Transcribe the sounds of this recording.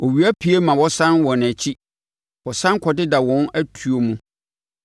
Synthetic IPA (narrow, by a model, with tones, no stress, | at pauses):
ɔ˨ɥi˨æ˦pʰi˦e˦mã˨wɔ˦sã˦nwɔ˨n˨æ˨t͡ɕʰi˦ | wɔ˨sã˦ŋ˦kʰɔ˨dɪ˦da˨wɔ̃˦næ˦tʰu˨o˨mũ˦